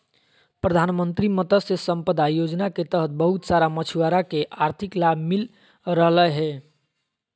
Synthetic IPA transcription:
pɾəd̪ʱanmənt̪ɾimət̪əsesəmpəd̪ʱajod͡ʒnaket̪əɦət̪̚bəɦut̪saɾamət͡ʃʰuwaɾakeʔaɾt̪ʰiklabʱmil | ɾəɦləɦɛ

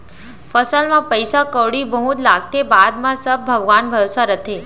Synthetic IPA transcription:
fəsəlmãpəjsakəʋɽibʱəɦũt̪laɡ̚t̪ebad̪mãsəb̚bʱəɡʋanbʱəɾosaɾət̪ʰe

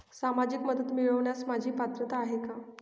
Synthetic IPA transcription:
samad͡ʑikməd̪ət̪miɭəʋɳjasmad͡ʑʱiːpat̪ɾət̪aːɦeka

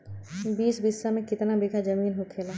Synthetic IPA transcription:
biːsbɪsːamẽkɪt̪nabikad͡ʒɐmiːnɦukʰeːla

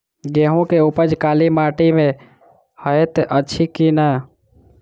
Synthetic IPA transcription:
ɡeɦũkeupəd͡ʒkalimaʈime | həet̪ʔətːt͡ʃʰikinə

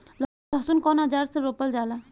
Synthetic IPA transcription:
l | lɐsunkɔnad͡ʒaɾseɾoːpəld͡ʒaːla

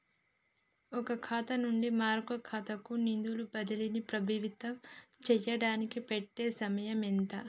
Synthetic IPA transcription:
ɔkɐkʰaːt̪ɐnuɳɖimaːɾɡɐkʰaːt̪ɐkunind̪ulubɐd̪ɐlinipɾɐbʱiʋit̪ɐmt͡ʃɛːjɐɽaːnikipeʈːeːsɐmɐjɐment̪ɐ

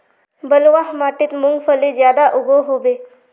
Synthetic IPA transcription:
bəlʋaɦmaʈiːt̪muŋɡfəlid͡ʑjad̪aʔuɡʱoɦobe

